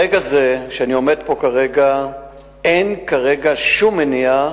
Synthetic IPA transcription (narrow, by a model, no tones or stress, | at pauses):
eɡazeʃeanio̞me̞d̪po̞kaʁeɡa | enkaʁe̞ɡaʃumːenia